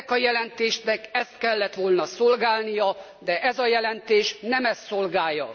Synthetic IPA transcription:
kɒjɛlɛnt̪eːʃnɛkɛst̪kɛlːɛt̪ʋo̞lnɒsolɡaːlnijɒ | d̪ɛʔɛzɒjɛlɛnt̪eːʃnɛmɛst̪solɡaːjːɒ̰

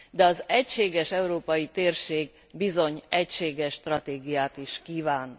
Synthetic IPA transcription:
d̪ɛɒzɛcʃeːɡɛʃɛuɾoːpɒjit̪eːrʃeːɡ | bizo̞ɲɛcʃeːɡɛʃːt̪rɒt̪eːɡijaːt̪iʃkiːvaːn

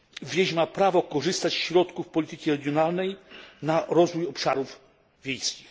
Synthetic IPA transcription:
vʲjeʑmapɾavɔkɔʐɘst̪at͡ɕsɕɾɔt̪kufpɔlʲit̪ɘkʲiɾɛɡʲjɔnalnɛjnaɾɔzvujɔpʂaɾuv | vʲjejskʲix

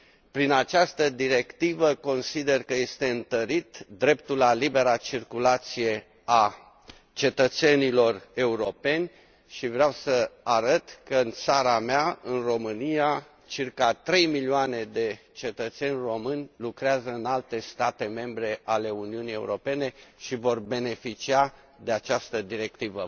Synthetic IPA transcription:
pɾinat͡ʃast̪əd̪iɾe̞kt̪ivəko̞nsid̪e̞rkəje̞st̪e̞ɨnt̪əɾit̪d̪ɾe̞pt̪ulalibe̞ɾat͡ʃirkulat̪sije̞ | a | t͡ʃe̞t̪ət̪se̞nilo̞re̞uɾo̞pe̞nʲ | ʃivɾeawsəaɾət̪kəɨnt̪saɾameaɨnro̞mɨnija | t͡ʃirkat̪ɾe̞jmilioane̞d̪e̞ | t͡ʃe̞t̪ət̪se̞nʲro̞mɨnʲlukɾeazəɨnalt̪e̞st̪at̪e̞me̞mbɾe̞ʔale̞uniunije̞ṵɾo̞pe̞ne̞ʃivo̞rbe̞ne̞fit͡ʃia | d̪e̞at͡ʃast̪əd̪iɾe̞k̚t̪ivə

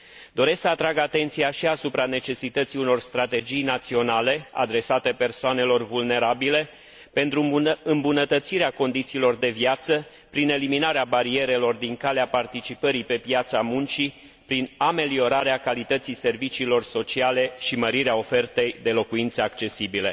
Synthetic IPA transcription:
d̪o̞ɾe̞sksəat̪ɾaɡat̪e̞nt̪sijaʃiasupɾane̞t͡ʃe̞sit̪ət̪siuno̞rst̪ɾat̪e̞d͡ʒijnat̪sio̞nale̞a̰d̪ɾe̞sat̪e̞pe̞rsoane̞lo̞rvulne̞ɾabile̞ | pe̞nt̪ɾuɨmbunət̪ət̪siɾeako̞nd̪it̪siːlo̞rd̪e̞vjat̪sə | pɾine̞liminaɾeabaɾie̞ɾe̞lo̞rd̪iŋkaleapart̪it͡ʃipəɾipe̞pjat̪samunt͡ʃi | pɾiname̞lio̞ɾaɾeakalit̪ət̪sise̞rvit͡ʃiːlo̞rso̞t͡ʃiale̞ʃiməɾiɾeao̞fe̞rt̪e̞jd̪e̞lo̞kuint̪səak̚t͡ʃe̞sibile̞̰

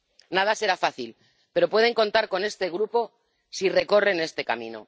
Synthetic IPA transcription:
nað̞ase̞ɾafaθil | pe̞ɾo̞pwe̞ðe̞ŋko̞nt̪aɾko̞ne̞st̪e̞ɣ̞ɾupo̞ | sire̞ko̞re̞ne̞st̪e̞kamḭ̃no̰

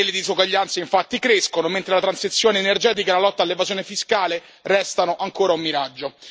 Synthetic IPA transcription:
elːed̪isoɡwaʎːant̪saiɱfat̪ːikɾeskonoment̪ɾelat̪ɾansit̪sːjoːneːnerd͡ʒɛːt̪̬ikaelalɔt̪ːalːevazjoːnefiskaːle | rɛst̪anoʔaŋkoːɾaumːiɾad͡ʒːo

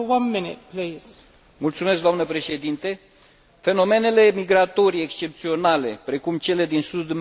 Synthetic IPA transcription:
wãnmɪnɪ̰t̚pʰlis | mult̪sume̞sk̚d̪oanəpɾe̞ʃe̞d̪int̪e | fe̞no̞me̞ne̞le̞miɡɾat̪o̞ɾiekst͡ʃe̞p̚t̪sio̞nale̞pɾe̞kumt͡ʃe̞le̞d̪insud̪um

